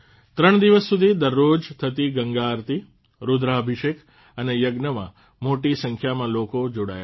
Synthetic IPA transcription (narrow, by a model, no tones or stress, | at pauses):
t̪ɾəɳ̃d̪iʋəsːud̪ʱid̪əɾːod͡ʒt̪ʰət̪iɡəŋɡaɾt̪i | ɾud̪ɾaəbʱiʃek | ənejəɡnəmã̰ | moʈisə̃ŋkʰjamãlokod͡ʒoɽa̰ja̰